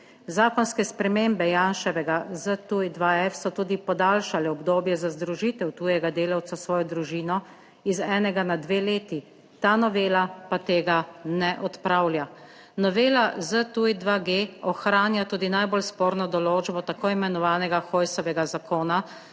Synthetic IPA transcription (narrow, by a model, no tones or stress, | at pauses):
zaːkɔnskɛspɾɛmeːmbɛjaːnʃɛʋɛɡazət̪uid̪ʋaɛfsɔt̪uːd̪ipɔd̪aːlʃalɛɔbd̪oːbjɛzazd̪ɾuʒit̪ɛwt̪uːjɛɡad̪eːlawt̪sasʋɔːjɔd̪ɾuʒiːnɔ | izɛːnɛɡanad̪ʋeːleːt̪i | t̪aːnɔʋeːlapat̪eːɡanɛʔɔt̪pɾaːwlʲja | nɔʋeːlazət̪uid̪ʋaɡeːɔxɾaːnjat̪uːd̪inajbolspoːɾnɔd̪ɔloːd͡ʒbɔt̪akoːimɛnɔʋaːnɛɡaxoːjsɔʋɛɡazakoːna